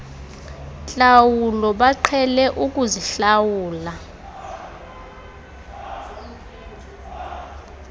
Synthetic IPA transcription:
ɬawulɔɓaǃʰɛlɛʔuk̬ʼuziɬawuːla

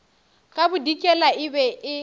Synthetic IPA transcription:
kʼabʊdikʼɛlaɪbɛʔɪ

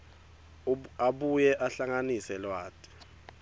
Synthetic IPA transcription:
aɓujɛʔaɬaŋanisɛlwaːtʰʼɛ̥

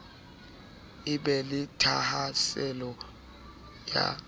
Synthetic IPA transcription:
iɓɛlitʰahasɛlɔ | ja̰

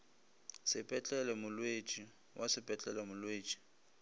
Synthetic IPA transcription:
sɪpʼɛt͡ɬʼɛlɛmʊlwet͡ʃʼi | wʔasɪpʼɛt͡ɬʼɛlɛmʊlweːt͡ʃʼi̥

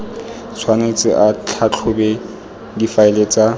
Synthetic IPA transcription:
t͡sʰwanet͡sʼɪʔat͡ɬʰat͡ɬʰʊbɛ | ɡifaɪlet͡sʼa

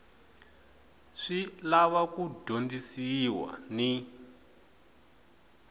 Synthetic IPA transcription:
ʂilaβakudʱondisiwa̰ni

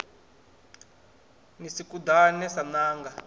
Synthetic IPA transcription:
nisikud̪anɛsanaːŋɡa

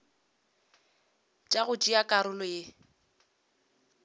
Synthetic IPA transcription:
t͡ʃʼaɣʊt͡ʃʼijakʼaɾʊlʊjɪ

